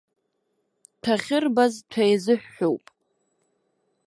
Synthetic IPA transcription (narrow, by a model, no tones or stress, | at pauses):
tʰaχʲɪrbaztʰajzɨħʷᶣːowpʼ